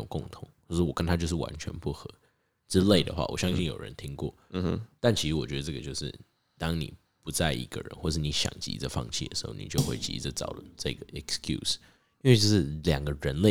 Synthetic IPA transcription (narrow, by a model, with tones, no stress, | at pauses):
ʊ˨˩ŋkʊ˥˩ŋt̪ʰʊ˧˥˦ŋo˥˧ʊʂɔ˥˩wɔ˨˩kə˦nt̪ʰa˥t͡ɕjo˥˧ʊʂ̬̩˥˩wa̰˧˦nt͡ɕʰɥɛ̰˧˦npu˥˩xɤ˧˦ | ʈ͡ʂɻ̩˥le˥˩ɪd̪ə̰˩xwa̰˥˩wɔ̰˨˩ɕjɑ˥ŋɕi˥˩njo˨˩ʊɻə̰˧˦nt̪ʰi˥ŋkwɔ̰˥˩t̪a˥˩nt͡ɕʰi˧˥ʂɻ̩˧wɔ˨˩t͡ɕɥɛ˧˦d̪ə˧ʈ͡ʂɤ˥˩ɡə˩t͡ɕjo˥˧ʊʂɻ̩˥˩ | t̪ɑ˥ŋnḭ˨˩ | pu˨˦t͡sa˥˩ɪʔi˧˥ɡə̰˧ɻə̰˧˦nxwɔ˥˩ə˩ʂɻ̩˥˩ni˧˥ɕjɑ̰˨˩ŋt͡ɕḭ˧˥˧t͡sə˧fɑ̰˥˧ŋt͡ɕʰi˥˩d̪ə̰˩ʂɻ̩˧˦˥xo̰˥˩ni˨˩t͡ɕjo˥˧ʊxwe˥˩ɪt͡ɕḭ˧˥˧d͡zə˥˩t͡sɑ̰˨˩ʊt͡sa˥˩ɡə˩ɛ˨˩kskʰjṵ˥˩s | i˥nwe˥˧ɪʈ͡ʂɤ˥˧ʂɻ̩˥˩ljɑ˨˩ŋɡə˩˦ɻə˧˦nle˥˩